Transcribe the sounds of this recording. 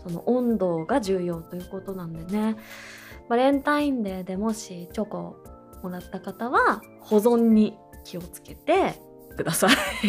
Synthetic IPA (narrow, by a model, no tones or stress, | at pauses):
so̞no̞̰ʔõ̞nd̪o̞ːɡaʑɨːjo̞ːt̪o̞jɯ̟ːko̞t̪o̞nãnd̪e̞ne̞ | maɾẽ̞nt̪aĩnd̪e̞ːd̪e̞mo̞ɕit͡ɕo̞ko̞ | mo̞ɾat̪ːakat̪aβa | ho̞zõ̞ɲ̟ːi | kʲio̞t͡sɨ̥ke̞t̪e̞ | kɯ̟d̪asai